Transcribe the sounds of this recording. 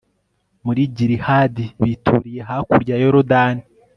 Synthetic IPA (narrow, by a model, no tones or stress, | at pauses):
muɾiɟiɾihaːdiβitʰuɾije̞ɦakuɾɟajoɾodani